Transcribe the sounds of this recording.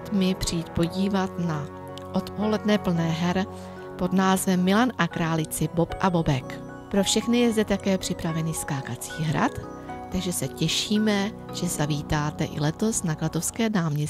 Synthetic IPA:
t̪mɪpr̝̥ijːt̪po̞ɟiːvat̪na | ʔo̞t̪po̞lɛdnɛpl̩nɛːɦɛɾ | po̞d̪naːzvɛmːɪlanʔakɾaːlɪt͡sɪbo̞pʔabo̞bɛk | pɾo̞fʃɛxnɪjɛzd̪ɛt̪akɛːpr̝̥ɪpɾavɛniːskaːkat̪t͡siːɦɾa̰t̪ː | aɡʒɛsɛcɛʃiːmɛ | ʒ̥ɛzaviːt̪aːt̪ɛʔɪ̰lɛt̪o̞snaklat̪o̞fskɛːnaːmɲɛs

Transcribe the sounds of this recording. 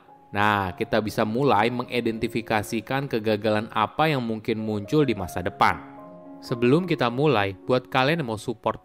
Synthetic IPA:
nahkit̪abisamulajməŋʔidɛnt̪ifikasikankəɡaɡalana̰pajaŋmuŋkɪnmuɲt͡ʃʊldimasadəpa̰n | səbəlʊmkit̪amulajb̥uat̪̚kalɛnmowsupɔrt̪̚

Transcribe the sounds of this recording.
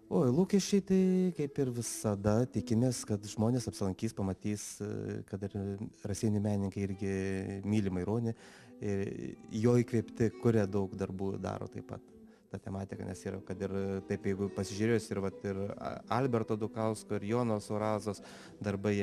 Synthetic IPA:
oːlˠuːkʲɛʃʲt͡ʃʲɛɪt̪ɐɪkɐɪpɪrʋʲɪsɐd̪ɐt̪ʲɪkʲɪmʲeːskɐt̪ʒmoːnʲeːsɐpʲsʲɪlˠɐŋʲkʲiːspɐmɐt̪ʲiːskɐt̪ɪrrɐsʲiɛnʲɪmʲæːnʲɪŋkɐɪɪɾʲɡʲɪmʲiːlʲɪmɐɪɾoːnʲɪ | ɪjoːikʋʲeːpʲt̪ʲɪkʊɾʲɛd̪ɐʊkd̪ɐrbuːd̪ɑ̰ːɾo̰ːt̪ɐɪpɐ̰t̪ | t̪ɑːt̪ʲɛmɑːt̪ʲɪkɐ̰nʲɛ̰siːɾɐkɐt̪ɪrt̪ɐɪpjɛɪɡʊpɐsʲɪʒʲʉɾʲeːjosʲɪɾʋɐt̪ɪrɐlʲbʲɛrt̪oːd̪ʊkɐʊskoːɪɾjoːnoːsoːɾɑːzoːs | d̪ɐrbɐɪ

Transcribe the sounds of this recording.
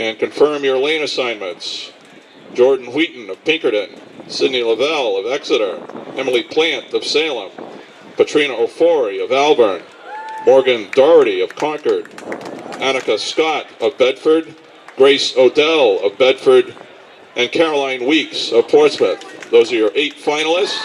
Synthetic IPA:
ɨ̃nkʰɨ̃ɱfɜ̃˞mjə˞lẽɪ̃ñɨsãɪ̃nmɨ̃nts | d̥ʒ̥ɔɹdⁿn̩wiʔn̩ʌv̥pʰɪ̃ŋkə˞ɾɨ̃nsɪdⁿniləvɛlˠʌvɛksɨɾə˞ɛml̩ˠipʰl̥æ̃ntʌv̥seɪlˠə̃m | pʰɨtʰɹ̥ĩnəoʊfɔɹiʌvælˠbə˞n | mɔɹɡɨ̃ndɑɹɨɾiʌv̥kʰɑ̃ŋkə˞ɾʔænɨkɨskɑɾʌvbɛd̥fə˞d̚ | ɡ̥ɹeɪsoʊtʰɛlˠʌvbɛd̥fə˞ɾ | ʔɨ̃nkʰɛɹəlãɪ̃nwiksʌv̥pʰɔɹtsməθðoʊzə˞ə˞ʔeɪtfãɪ̃nl̩ˠɪst

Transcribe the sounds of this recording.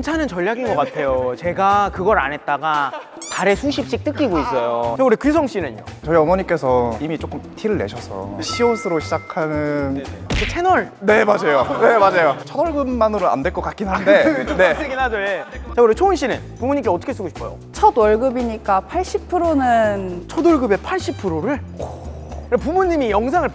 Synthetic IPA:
nt͡ɕʰanɯnt͡ɕʌʎːaɡinɡʌk͈atʰe̞jot͡ɕe̞ɡakɯɡʌɾa̰nɦe̞t̚t͈aɡa | taɾe̞sʰuɕʰip̚ɕ͈ik̚t͈ɯk͈iɡois͈ʌjot͡ɕauɾekisʰʌŋɕ͈inɯɲjo̰t͡ɕʌiʌmʌɲik͈e̞sʰʌimit͡ɕ͈ok͈ɯmtʰiɾɯɭːe̞ɕʰʌsʰʌ̰ɕʰiosʰɯɾoɕʰid͡ʑakʰanɯnkɯt͡ɕʰe̞nʌɭne̞mad͡ʑajone̞mad͡ʑajot͡ɕʰʌdwʌɭɡɯmːanɯɾoa̰ndweɭk͈ʌk͈ak͈inɦande̞n̞ɡinad͡ʑʌet͡ɕaɡɾet͡ɕʰounɕ̬͈ʰinḛnpumuɲimk͈eʌt͈ʌkʰes̬͈ɯɡoɕi̥p͈ʰːʌjo̰ | t͡ɕʰʌdwʌɭɡɯbiɲik͈apʰaɭɕ͈ipʰɯɾonɯnt͡ɕʰodwʌɭɡɯbe̞pʰaɭɕ͈ipʰɯɾoɾɯɭ | ɯɡapumuɲimijʌŋs̬ʰaŋɯɭ

